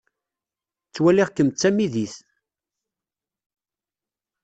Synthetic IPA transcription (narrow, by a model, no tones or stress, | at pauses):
t͡sːwæliʁkəmt͡sːæmiðiθ